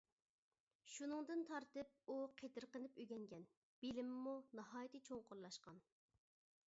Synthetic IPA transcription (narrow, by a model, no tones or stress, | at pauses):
ʃunɨŋd̪ɨnt̪ʰɑɾt̪ɨp̚uqʰet̪ʰɨɾqənɨpyɡʲɛŋɡʲɛn | b̥ɪlɪmmunɑhɑːjit̪ɨt͡ʃʰoŋqoɾlˠɑʃqɑn